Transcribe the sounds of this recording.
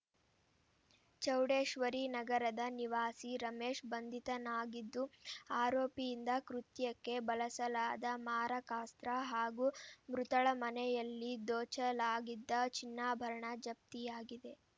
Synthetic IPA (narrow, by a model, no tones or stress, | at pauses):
t͡ʃɐwɽeːʂʋɐɾinɐɡɐɾɐd̪ɐniʋaːsiɾɐmeːʃbɐnd̪ʱit̪ɐnaːɡid̪ːuaːɾoːpijind̪ɐkɾut̪jɐkːe̞bɐlɐsɐlaːd̪ɐmaːɾɐkaːst̪ɾɐɦaːɡumɾut̪ɐɭɐmɐnɛjɐlːid̪oːt͡ʃɐlaːɡid̪ːɐt͡ʃinːaːbʱɐɾɐɳɐd͡ʒɐp̚t̪ijaːɡid̪e̞